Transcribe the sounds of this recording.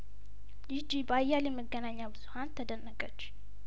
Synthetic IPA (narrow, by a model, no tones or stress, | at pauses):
jɪd͡ʒibajːaljɛməɡːənaɲːabɨzuhant̪ʰəd̪ənːəkʼət͡ʃː